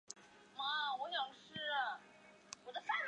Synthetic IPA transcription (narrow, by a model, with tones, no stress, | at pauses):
ma˥˩wɔ˧˥ɕjɑ˨˩ŋʈ͡ʂʰɻ̩˥ | wɔ˨˩d̪ə˦fa˥˩n